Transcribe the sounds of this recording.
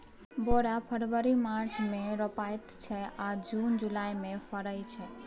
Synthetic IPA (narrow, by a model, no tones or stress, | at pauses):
boɽapʰəɾʋəɾimaɾt͡ʃʰmẽɾɔpajt̪t͡ʃʰɛad͡ʒund͡ʒulaimẽpʰəɾəjt͡ʃʰɛ